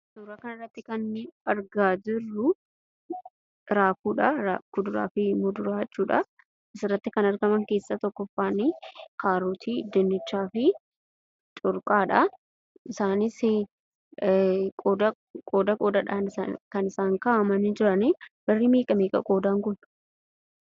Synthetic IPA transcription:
suːɾɐkɐnɐrːɐt̪ːɪkɐnɐɾɡaːd͡ʒɪrːʊ | ɾaːfuːᶑɐɾakʊd̪ʊɾa̰ːfɪmʊd̪ʊɾaːt͡ʃʼːuːᶑɐ | ʔɪsɪrːɐt̪ːɪkɐnɐɾɡɐmɐŋke̞ːsːɐt̪ɔkːɔfːaːnikaːɾuːt̪ʰiːd̪ɛnːɪt͡ʃːaːfɪ | t͡ʃʼʊɾkʼaːᶑɐ | ʔɪsaːnɪsɪ | kʼoːd̪ɐ | kʼoːd̪ɐkʼoːd̪ɐᶑaːnɪa̰kɐnɪsaːŋkaːʔɐmɐnɪd͡ʒɪɾɐnibɐrːimiːkʼɐmeːkʼɐ̰kʼo̞ːd̪aːŋɡʊn

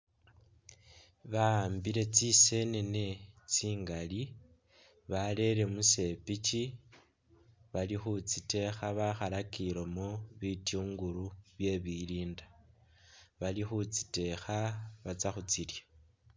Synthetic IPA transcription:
βaːmbiɾe̞t͡sise̞nene̞t͡siːŋɡali | βale̞ɾe̞muse̞pit͡ʃi | βalixut͡site̞xaβaxalakiɾomoβitjuːŋɡuɾuβje̞βiliːnda | βalixut͡si̥te̞xaβat͡saxut͡silja

